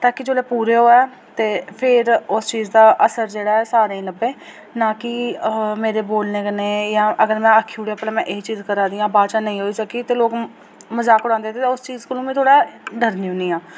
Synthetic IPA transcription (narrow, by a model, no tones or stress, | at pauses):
t̪aːkɪd͡ʒoːleːpuːɾeːɦoːɛː | t̪eːpʰɪɾʊst͡ʃiːzd̪aːʔəsəɾd͡ʒeːɽaːɛːsaːɾaːĩːləbeː | nãːkɪmeːɾeːboːlneːkəneːjãːʔəɡəɾmɛ̃ːəkʰːiuɽeːəpːlãːmɛ̃ːʔɪit͡ʃiːzkəɾãːd̪iːãːbaːʃaːnəĩːɦoːiːsəkːiːt̪eːloːk | məzaːkʊɽãːnd̪eɛt̪eːt̪eːʊst͡ʃiːzkəlõːmĩːt̪ʰoːɽaːɖəɾnĩːʊ̃niːãː